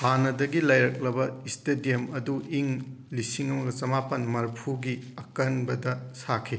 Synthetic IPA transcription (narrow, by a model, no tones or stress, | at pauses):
hanɐdɐɡilɐjɾɐk̚lɐbɐistedijemɐduʔiŋ | lisiŋɐmɐɡɐt͡ʃɐmapɐnmɐɾpʰuɡiɐkɐnbɐdɐsakʰi